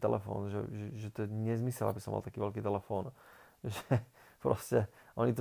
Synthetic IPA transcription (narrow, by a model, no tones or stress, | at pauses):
t̪ɛ̰lʔɛfɔ̰ːnʒɛ̰ʒɛʒɛt̪ɔɛɲɛzmisɛla̰bisɔ̰ma̰lt̪akiːʋɛlkiːt̪ɛlɛfɔːn | ʒɛpɾɔscɛʔɔɲit̪